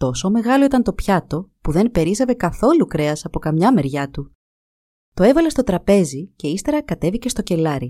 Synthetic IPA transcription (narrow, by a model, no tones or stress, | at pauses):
t̪o̞so̞me̞ɣɐlo̞it̪ɐnt̪o̞pçɐt̪o̞puðe̞npe̞ɾizɐve̞kɐθo̞lukɾe̞ɐsɐpo̞kɐmɲɐme̞ɾʝɐt̪u | t̪o̞e̞vɐle̞st̪o̞t̪ɾɐpe̞zice̞ist̪e̞ɾɐkɐt̪e̞vice̞st̪o̞ce̞lɐɾi